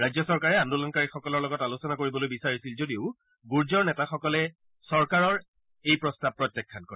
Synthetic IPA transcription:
ɹajzjɔsɔɹkaɹɛandulɔnkaɹixɔkɔlɔɹlɔɡɔtalusɔnakoɹibɔlojbisaɹisilzodiʊ | ɡuɹzɔɹnɛtaxɔkɔlɛ | sɔɹkaɹɔɹ | ejpɹɔstab̚pːɹɔtːjɛkʰːankɔɹɛ

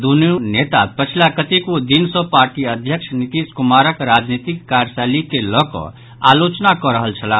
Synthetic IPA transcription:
d̪unjunet̪apət͡ʃʰilakət̪ekod̪insɔ̃paɾʈiəd̪ʱjəkt͡ʃʰnit̪id͡ʒkumaɾəkɾad͡ʒnit̪ikːaɾsalikelɔkɔ̰ | a̰lot͡ʃnakɔɾəɦəlt͡ʃʰəla

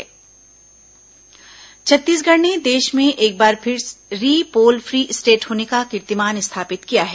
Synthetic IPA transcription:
t͡ʃʰɐt̪ːiːsɡʱɐɽned̪eːʃmẽʔeːk̚baːɾpʰɪɾɾiːpoːlfʰɾiːʔɪsʈeːʈhoːnekakɪɾt̪ɪmaːnɪst̪ʰaːpɪt̪kijaɦɛː

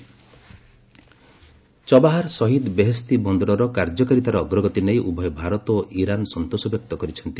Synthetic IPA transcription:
t͡ʃɔbaɦaɾsɔɦid̪beɦest̪ibɔnd̪ɔɾɔɾɔkaɾd͡ʒɔkaɾit̪aɾɔːɡɾɔɡɔt̪inejʔubʱɔjbʱaɾɔt̪oʔiɾanɔsɔnt̪osɔbjɔk̚t̪ɔkɔɾit͡ʃʰɔnt̪i

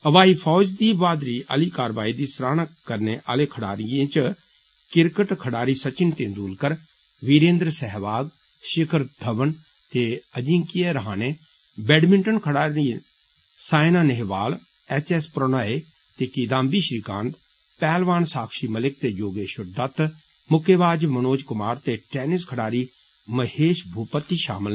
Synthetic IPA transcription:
əʋaːiːpʰɔːd͡ʒd̪iːʋaːd̪ɾiːʔə̰liːkaːɾʋaːiːd̪iːsɾaːnakəɾneːʔaːleːkʰəɽaːɾɪjẽːt͡ʃ | kɪɾkəʈkʰəɽaːɾiːsət͡ʃɪnt̪ẽːnd̪uːlkəɾ | ʋiːɾẽːnd̪ɾəsɛɦʋaːɡ | ʃɪkʰəɾd̪ʱəʋən | t̪eːəd͡ʒĩːkɪjeɾəɦãːneː | bɛːɖmɪɳʈənkʰəɽaːɾiː | saːjnaːneɦʋaːl | ɛt͡ʃɛspɾonaːeː | t̪eːkiːd̪ãːmbiːʃɾiːkãːnt̪ | pɛːlʋaːnsaːkʃiːməlɪk̚t̪eːjoːɡeːʃʊɾd̪ət̪ | mʊkʰeːʋaːd͡ʒmənoːd͡ʒkʊmaːɾt̪eːʈɛːnɪskʰəɽaːɾiː | məheːʃbʱuːpət̪ːiːʃa̰ːməl

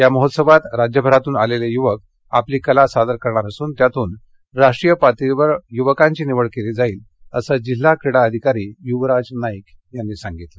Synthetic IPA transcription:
jaməɦot̪səbat̪ɾad͡ʑjəbʱəɾat̪uːnalelejuʋək̚ | a̰pliːkəlasad̪əɾkəɾɳ̃aɾəsuːnt̪jat̪uːn | ɾaʂʈɾijəpat̪iʋəɾjuʋəkãɲt͡ɕiːniʋəɭkeliːd͡zaiːl | əsəd͡ʑilːakɾiɽaəd̪ʱikaɾiːjuʋɾad͡znajkjanːiːsaŋɡit̪lə

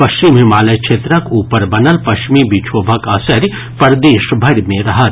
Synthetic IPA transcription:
pɐʃt͡ʃimɦɪmaːlɐjkʃʰeːt̪ɾəkuːpəɾbɐnəlpɐʃt͡ʃmibit͡ʃʰoːbʱɐkɐsəɾ | pɐɾd̪eːʃbʱɐɾmẽɾɐɦət̪

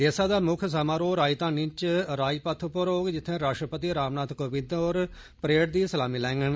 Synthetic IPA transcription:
d̪eːsaːd̪aːmʊkʰs̬amaːɾoːɾaːit̪ãːnĩt͡ʃɾaːipət̪ʰupəɾoːɡd͡ʒɪt̪ʰːẽːɾaːʂʈɾəpət̪iːɾaːmnaːt̪koːbɪ̃d̪oːɾ | pɾeːʈd̪iːsəlaːmiːlɛ̃ːŋɡən

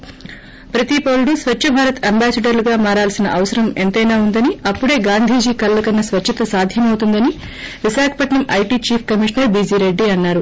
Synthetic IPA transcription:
pɾɐt̪ipoːluɽusʋɐt͡ʃːt͡ʃʰːɐbʱaːɾɐt̪ɐmbaːsɐɖɐɾluɡaːmaːɾaːlsinɐʔɐʋɐsɐɾɐment̪ɐjnaːund̪ɐniɐpːuɽe̞ːɡaːnd̪ʱiːd͡ʒiːkɐlːɐkɐnːɐsʋɐt͡ʃːt͡ʃʰːɐt̪ɐsaːd̪ʱjɐmɐwt̪und̪ɐni | ʋiʃaːkʰɐ̥pɐʈɳɐmɐjʈiːt͡ʃiːpʰkɐmiːʂɐnɐɾbiːd͡ʒiːɾe̞ɖːiɐnːaːɾu

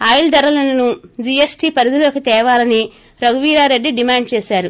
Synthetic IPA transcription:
aːjld̪ɐɾɐlɐnɐnud͡ʒiːesʈiːpɐɾid̪uloːkit̪ɛːʋaːlɐni | ɾɐɡuʋiːɾaːɾe̞ɖːiɖimaːɳɖt͡ʃɛːsaːɾu

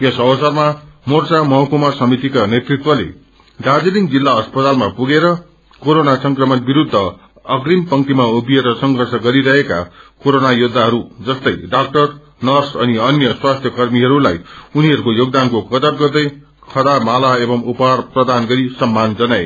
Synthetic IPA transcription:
esʌbʌsʌrmamort͡samʌɦʌkumasʌmit̪ikanet̪rit̪wʌlḛ | ɡad͡ziliŋɡd͡zilːaʌspʌt̪almapuɡeɾʌ | koɾonasʌŋkrʌmʌnbiɾud̪ʱːʌ | ʌɡrimpʌŋt̪imaubieɾʌsʌŋɡʱʌrsʌɡʌɾiɾʌɦeka̰koɾonajud̪ʱːaɦʌɾud͡zʌst̪ʌjɖak̚ʈʌr | nʌrsʌniʌnjʌswast̪ʰjʌkʌrmiɦʌɾulajuniɦʌɾukojoɡd̪ankokʌt̪ʌrɡʌrd̪ʌj | kʰʌd̪amalaebʌmupɦarprʌd̪anɡʌɾisʌmːand͡zʌnae

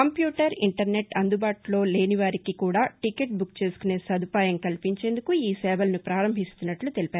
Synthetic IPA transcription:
kɐmpjuːʈɐɾiɳʈɐɾne̞ʈɐnd̪ubaːʈulo̞ːle̞ːniʋaːɾikikuːɽaːʈikeʈ̚bukt͡ʃe̞ːsu̥kune̞ːsɐd̪ʱupaːjɐmkɐlpiɲt͡ʃe̞ːnd̪ukuiːsɛːbɐlnipɾaːɾɐmbʱist̪unːɐʈlut̪e̞lipaːɾu

